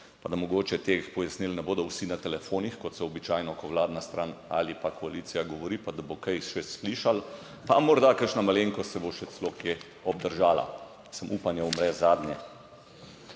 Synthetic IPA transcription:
pad̪amɔɡoːt͡ʃɛt̪eːxpɔjasnilnɛboːd̪ɔwsinat̪ɛlɛfoːnixkɔt̪sɛɔbit͡ʃaːjnɔkɔʋlaːd̪nast̪ɾʔaːna̰lipakʰɔaliːt̪sijaɡɔʋɔɾiːpad̪abokɛjʃɛsliːʃal | pamɔɾd̪akəɾʃnamaleŋkɔsɛboʃɛt̪sɛlokje | ɔbd̪əɾʒaːla̰ | səmʔupanjaumɾɛzaːd̪njɛ

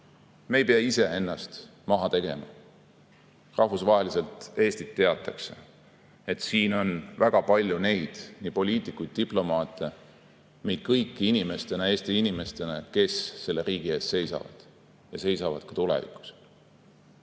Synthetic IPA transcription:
me̞ːjpeɑise̞e̞nːɑst̪mɑɦɑt̪e̞ɡ̥e̞̰mɑ̰ | rɑhvusvɑːɦe̞lise̞lt̪e̞ːst̪it̪ːe̞ɑt̪ːˑɑkse̞̰ | et̪siːno̞nvæɡ̥ɑpɑlʲjune̞jd̪̥nipo̞lʲiːt̪ˑikujd̪̥̚t̪iplo̞mɑːt̪ːˑe̞ | me̞jd̪̥̚kɤjkːiinime̞st̪e̞nɑe̞ːst̪iinime̞st̪e̞nɑke̞sːe̞lːe̞ɾiːɡ̥ie̞ːst̪se̞jsɑ̰vɑ̰d̪̥ | jɑse̞jsɑvɑ̰d̪̥̚kɑ̥t̪ulɛ̰vḭku̥s

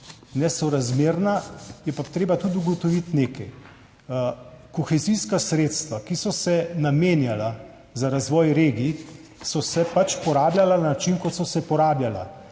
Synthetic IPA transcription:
nɛsɔɾazmeːɾnajɛpat̪ɾeːbat̪ud̪uɡɔt̪ɔʋit̪neːkɛj | koxɛziskasɾeːt̪st̪ʋakisɔsɛnameːnjala | zaɾazʋɔːjɾeːɡisɔsɛpat͡ʃpɔɾaːblʲjalananat͡ʃinkɔt̪sɔsɛpɔɾaːbljala̰

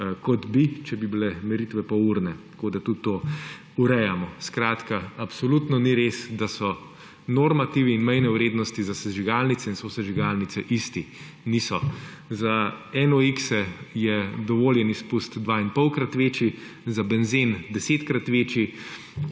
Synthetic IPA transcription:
kɔt̪bit͡ʃɛbibilɛmɛɾit̪ʋɛpɔuɾnɛt̪ɐ̥koːd̪at̪ut̪ːoː | uɾɛjamɔskɾaːt̪kaapsɔlut̪nɔniɾesd̪asɔ | noɾmat̪iʋiːnmɛjnɛʊɾeːd̪nɔst̪izasɛʒiɡalnit̪sɛinsosɛʒiɡalnit̪sɛʔist̪i | nisɔ | zaɛnɔiksɛjɛd̪ɔʋoːljɛnispust̪d̪ʋainpɔwkɾat̪ʋeːt͡ʃi | zabɛnzind̪ɛseːt̪kɾat̪ʋeːt͡ʃi

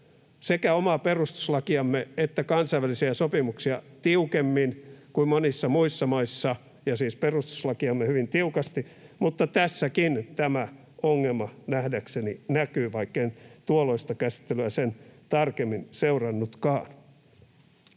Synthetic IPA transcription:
sekæomɑperust̪u̥slɑkiɑmːeet̪ːækɑnsɑiʋælisiæsopimuksiɑt̪iukemːinkuimmonisːɑmuisːɑmɑisːɑ | jɑsiːsperust̪u̥slɑkiɑmːehyʋint̪iukɑst̪imut̪ːɑt̪æsːækint̪æmæ | oŋːelmɑnæhdækseninækyːʋɑikːent̪uoloist̪ɑkæsi̥t̪ːelyæsent̪ɑrkemːinseurɑnːut̪kɑːn

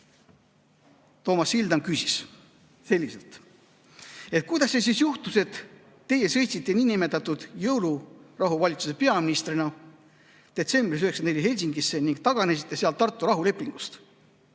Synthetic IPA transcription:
t̪o̞ːmɑsːild̪ɑŋkysis | se̞lʲːiselt̪ | e̞t̪̚kujd̪ɑsːesisjuht̪use̞t̪ | t̪ːe̞je̞sɤjt̪sit̪ːˑe̞niːnime̞t̪ːˑɑt̪ːˑud̪̥jɤwlurɑɦuvɑlʲit̪su̥se̞pe̞ɑminist̪rinɑ | d̪̥e̞t̪se̞mbɾisyheksɑnd̪nelʲːiɦhe̞lʲs̬iŋɡisːe̞niŋɡ̥̚t̪ɑɡ̥ɑnes̬it̪ːˑeseɑlt̪ːɑrt̪ːˑuɾɑɦule̞pːˑiŋɡ̥ust̪

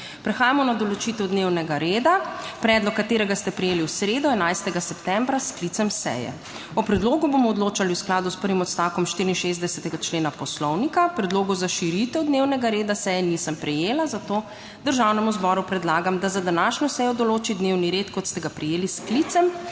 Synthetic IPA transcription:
pɾɛxaːjamɔnad̪ɔlɔt͡ʃit̪ɛwd̪newnɛɡaɾeːd̪apɾɛːd̪lɔkːat̪eːɾɛɡast̪ɛpɾɛjeːliwsɾeːd̪ɔɛnajst̪ɛɡasɛpt̪ɛ̃mbɾasklit̪sɛmsɛ̰jɛ̰ | ɔpɾɛd̪loːɡubomɔːd̪loːt͡ʃaliwsklaːd̪uspəɾʋimɔt̪st̪awkɔmʃt̪iɾinʃezd̪ɛsɛt̪ɛɡat͡ʃleːnapɔslɔwnikapɾɛd̪loːɡɔzaʃiɾit̪ɛwd̪newnɛɡaɾeːd̪asɛjɛnisəmpɾɛjeːlazat̪oː | d̪əɾʒawnɛmuzbɔɾupɾɛd̪laːɡamd̪azad̪anaːʃnɔsɛjɔd̪ɔloːt͡ʃid̪newniɾeːt̪kɔt̪st̪ɛɡapɾɛjeːlisklit̪sɛm

